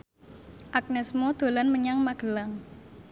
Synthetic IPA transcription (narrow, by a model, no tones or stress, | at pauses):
ʔak̚nɛsmod̪̥o̤lanməɲaŋmaɡ̥əlaŋ